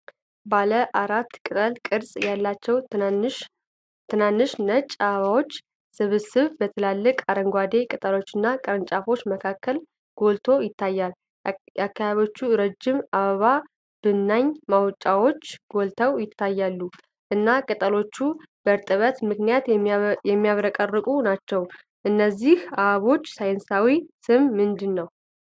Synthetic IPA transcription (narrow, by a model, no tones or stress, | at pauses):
baləʔaɾat̪ːkʼɨt̪ʼəlkʼɨɾsʼjalːat͡ʃːɛw | t̪ʰːɨnanːɨʃnət͡ʃʼːaβawo̞t͡ʃː | sɨβɨsɨβbət̪ʰəlalːɨkʼaɾəŋɡʷad̪e̞kʼɨt̪ʼəlo̞t͡ʃːɨnːakʼəɾɨnt͡ʃʼafo̞t͡ʃːməkʰakːəl | ɡ̥o̞lt̪ʰo̞jɪt̪ːajːal | akːajaβot͡ʃːuɾəd͡ʒːɪmaβəβa | b̥ɨnːaɲmawt͡ʃʼawo̞t͡ʃːɡ̥o̞lt̪ʰəwjɪt̪ʰːajːalːu | ʔɨnːakʼɨt̪ʼəlo̞t͡ʃːu | b̥əɾt̪ʼɨβət̪mɨknijat̪jɛmːijaβɾəkʼərːɨkʼunat͡ʃːɛw | ʔɨnːəzːihaβo̞t͡ʃːsajnsawisɨmmɨnd̪ɨnːəw